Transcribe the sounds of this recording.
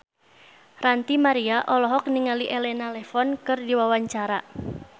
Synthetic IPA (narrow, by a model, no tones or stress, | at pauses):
rant̪imaɾiaʔɔlɔɦɔk̚niŋaliʔelɛnalɛfɔnkɨrdiwawaɲt͡ʃaɾa